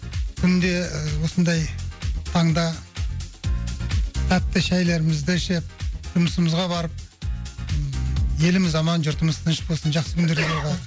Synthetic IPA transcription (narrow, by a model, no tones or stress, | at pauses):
kʲʰʏnd̪e̞wo̞sənd̪ɑjt̪ʰɑɴd̪ɑ | t̪ʰæt̪ːɪʃæjle̞ɾɪmɪzd̪ɪʃep̚ʒʊməsəməzʁɑbɑɾəp̚ | je̞lɪmɪzɑmɑnʒʊɾt̪əməst̪ɑnɪʃpbolˠsənʒɑχsəkʲʰʏnd̪eɡeebɑɾq